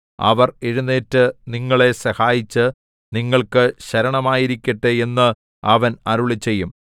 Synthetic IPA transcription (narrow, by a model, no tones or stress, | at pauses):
ɐ̰ʋɐreɻunːeːtːɨniŋːɐɭe̞sɐhaːjit͡ɕːɨ | niŋːɐɭkɨɕɐɾɐɳɐmaːjiɾikʲːɐʈːɨe̞nːɨ | ɐʋɐnɐɾuɭit͡ɕːe̞jːum